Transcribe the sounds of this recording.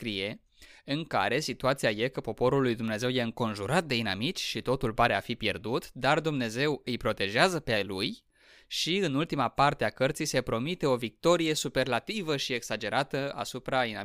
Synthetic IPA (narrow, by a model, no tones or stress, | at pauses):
skɾije̞ | ɨŋka̰ɾe̞sit̪uat̪siaje̞kəpo̞po̞ɾulːujd̪umne̞ze̞wje̞ɨŋko̞nʒuɾat̪̚d̪e̞inamit͡ʃʲʃit̪o̞t̪ulpaɾe̞afipje̞̰rd̪ut̪d̪ard̪umne̞ze̞wɨjpɾo̞t̪e̞ʒeazəpeajluj | ʃiɨnult̪imapart̪e̞akərt̪sijse̞pɾo̞mit̪e̞o̞vik̚t̪o̞ɾije̞supe̞rlat̪ivəʃie̞ksad͡ʒe̞ɾʔat̪əa̰supɾainam